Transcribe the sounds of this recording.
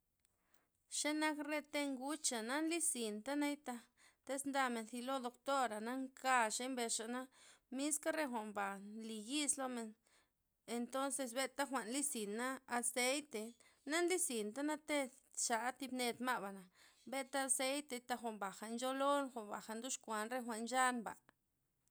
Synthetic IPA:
ʃe˦na˦kɾe˧t̪e˦ŋɡu˦t͡ʃa˨na˦nli˦si˨nt̪a˦na˦jt̪a˧ | t̪e˦snd̪a˧me˨nθi˧lo˦d̪o˧kt̪o˦ɾa˨na˦ŋka˧ʃe˧˦mbe˧ʂa˨ʔna˦mi˦ska˦ɾe˦xʷa˨mba˨nli˨ji˦slo˧me˨n | e˧nt̪o˦nse˧s̬be˦t̪a˦xʷa˨nli˦si˨nːaː˦˧se˦jt̪e˧ | na˦nli˦si˨nt̪a˦na˦t̪e˦ | t͡ʃa˨˦t̪i˧bne˧d̪ma˦ʔba˨na˨be˦t̪a˦a˧se˦jt̪e˧jt̪a˧xʷa˧˨mba˨xa˨nd͡ʒo˦lo˦nxʷa˨mba˨xa˨nd̪u˦ʂkʷa˨nɾe˦xʷa˨ʔnd͡ʒa˦nba̰˨

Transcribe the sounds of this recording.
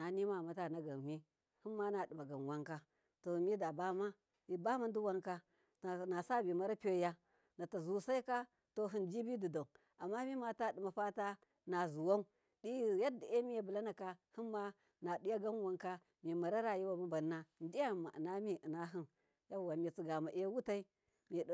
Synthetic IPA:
na˨ni˦ma˦˨ma˨ta˦˨na˨ɡa˨mi˦ | hɨ˦nma˦na˨dɨ˨ma˨ɡa˨n˨wa˦ŋka˦ | to˨mi˦da˨ba˦ma˦ | i˨ba˦ma˦n˦du˦wa˦ŋka˦˨ | na˨sa˦bi˨ma˦ɾa˦pʲo˦ja˦ | na˨ta˨zu˦sa˦i˦ka˦ | to˨ɦɨ˦nd͡ʒi˦bi˦du˨do˨ | a˨mːa˦mi˦ma˨ta˦˨ɗi˨ma˨ɸa˦ta˦ | na˨zu˨wa˦u˦ | ɗi˦ja˦da˨e˦mi˦ja˨bu˨la˦na˨ka˦hi˦nːa˦ | na˨ɗi˦ja˦ɡa˦n˦wa˦ŋka˦ | mi˨ma˨ɾa˦ɾa˦ji˦wa˨ma˦ba˨nːa˦n˦di˦ja˦˨mːa̰˨na˦mi˦ʔi˨na˦ɦi˦n | ja˦˨wa˨mi˨t͡si˨ɡa˨ma˨ʔe˦wu˦ta˦i˦ | mi˨˦

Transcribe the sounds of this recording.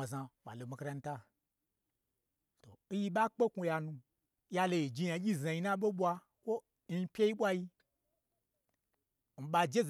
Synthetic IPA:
a˨zã˧ɓa̰˨lo˨mi˧kɾa˧n̩˦ta˦˧ | to̰˨n̩˦ji˧ɓa˦k͡pe˦ku˧ja˧nũ˧ | ja˧lo˧ji˨d͡ʒi˧ja˧˦ɡʲi˦˨zã˧ji˧˦nã˦ɓo˦ɓʷa˧ | kʷo˦ | n̩˦pʲe˦ji˦ɓʷa˦ji˧ | n̩˨˦ɓa˧d͡ʒe˦z

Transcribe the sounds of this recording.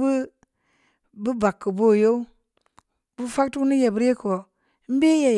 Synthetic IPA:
bɨ˦ | bɨ˦ba˨kːɨ˨bo˦˨jo˦u˦ | bu˦fa˦k̚tu˦ni˦je˨bɨ˦ɾje˦ko˨˦ | m̩˦be˦je˨

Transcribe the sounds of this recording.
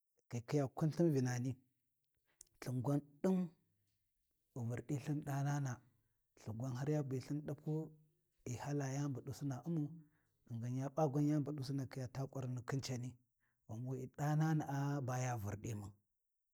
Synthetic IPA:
ki˨ki˦ja˨ku˦nɬi˦nvi˨na˨ni˦ | ɬu˨ŋɡʷa˦nɗi˦ŋ | u˨mu˨ɾɗi˦ɬi˦nɗa˦na˦na˨ | ɬu˨ŋɡʷa˦nɦa˦ɾja˦bi˨ɬi˦nɗa˦pʰu˦ | i˨ha˦la˨ja˦mbu˨ɗu˨su˦na˨ʔu˦mu˦ | ə˨ŋɡa˨nja˦ɓa˦ɡʷa˦nja˦mbu˨ɗu˦si˦na˨ki˦ja˨ta˦kʼa˨ɾnə˨ki˦nt͡ʃa˨ni˦ | wa˨m˦u˦i˨ɗa˦na˦na˨a˦ba˦ja˦˨vu˨ɾɗi˦mu˨n

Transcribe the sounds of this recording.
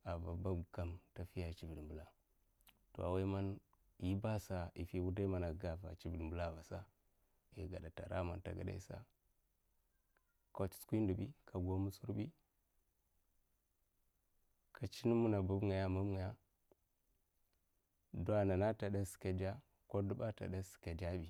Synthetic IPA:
a˨va˨ba˦bɡa˨mta˨fi˦ja˨t͡ʃi˨vi˨dmbu˨la˨ | to̰˨a˨wa˦ma˦n | ji˦ba˦sa˨i˨fi˦wu˦da˦ma˨na˨ɡa˨va̰˨t͡ʃi˦vi˨dmbu˦la˦˨va˨sa˦ | i˨ɡa˨da˨ta̰˨ɾa̰˦ma˨nta̰˨ɡa̰˨da̰˦sa̰˦ | ko˦t͡ʃskʷi˦ndu˨bi˦kʰa˨ɡo˦mu˦su˦ɾbi˦ | ka˨t͡ʃi˦nu˦mu˦na˨bu˦bŋa˨ja˦ma˦m˦ŋa˨ja˦ | do˦a˦na˨na˦ta˨da˦si̥˨ka˨da˦ | ko˦du˦ba˦ta̰˨da˦si̥˨ka˨da˦bi˨

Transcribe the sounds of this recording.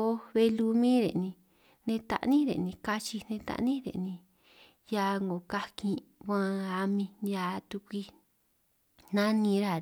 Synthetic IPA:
o˦βe˧lu˧mĩ˦ɾḛ˨nĩ˧ | nẽ˧t̪a̰˧ʔnĩ˦ɾḛ˨nĩ˧ka˧t͡ʃi˧nẽ˧t̪a̰˧ʔnĩ˦ɾḛ˨nĩ˧ | ja˧ŋɡo˨ka˧kĩ˧kʷã˧a˧mĩ˧a˧t̪u˧kʷi˧ | n̥ã˦nĩ˧ɾa˧˨

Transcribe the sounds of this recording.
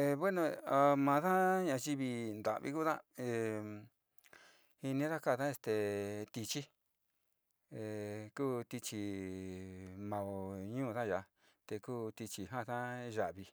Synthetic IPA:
e˧βwe˦nõ˧a˧mã˧ða˦ɲã˧ʒi˦˧βi˧nd̪a̰˨βḭ˦ku˦ðã˦e˧ | hi˧nĩ˧˦ða˦ka˦˧˨ðã˦˧e˧st̪e˨t̪i˧t͡ʃi˦ | e˧kuː˦t̪i˧t͡ʃi˧˨ | mã˧˨o˧˨ɲũː˦˧ðã˦ʒa˧ | t̪e˧kuː˦t̪i˧t͡ʃi˧ɦã˦˧t̪ã˦ʒa˧˨ʔβi˧

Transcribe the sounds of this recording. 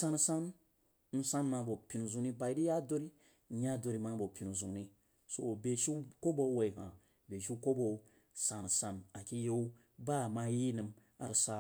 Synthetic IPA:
sa˧n˨sa˦n | n̩˦sa˦nma˨˧˦bo˨pʲi˨n˨zu˨ni˦ba˧i˦di˦ja˦do˦ɾi˦˨ | ja˦do˨ɾi˧ma˦bo˨pʲi˨nu˨zu˨ŋni˦ | so˨be˨ʃu˦ko˦bo˦we˨i˨hã̰˨ | be˨ʃu˦ko˦bo˨˦ | sa˨n˨sã˨na˨kʲi˦je˦u˦ | ba˦˨ma˧˦ji˦nɨ˨m | a̰˨ɾsa˧

